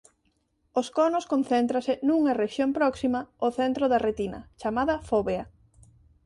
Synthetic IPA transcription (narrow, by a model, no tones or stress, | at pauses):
oskɔnʊskõnθɛnt̪ɾɐsɪnuŋɐreʃjompɾɔksimɐoθent̪ɾoðɐret̪inɐ̰t͡ʃamaðɐfoβeɐ